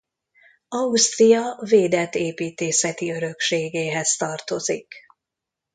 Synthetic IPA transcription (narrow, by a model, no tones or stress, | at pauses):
ɒust̪rijɒveːd̪ɛt̪eːpiːt̪eːsɛt̪iø̞ɾø̞kʃeːɡeːɦɛst̪ɒrt̪o̞zḭk